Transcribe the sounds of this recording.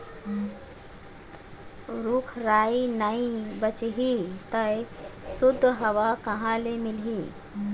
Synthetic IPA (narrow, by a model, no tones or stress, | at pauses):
ɾuːkʰɾainaibət͡ʃɦit̪əj | sud̪ʱːɦəʋakəɦãlemilɦiː